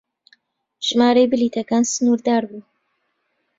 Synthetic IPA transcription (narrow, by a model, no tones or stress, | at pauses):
ʒ̥maːɾejbɨliːt̪ʰɐkaːnsɨnuːɾd̪aːɾbuː